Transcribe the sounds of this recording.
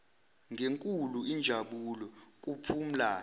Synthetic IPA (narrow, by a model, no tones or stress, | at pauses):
ŋeŋkʼuluind͡ʒʱaɓulɔk̬ʼupʰum̩laː